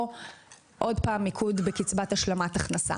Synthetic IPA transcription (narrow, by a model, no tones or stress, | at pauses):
ʔo̞dpaːmːikʰudbekit͡sbataʃlamataχnasa̰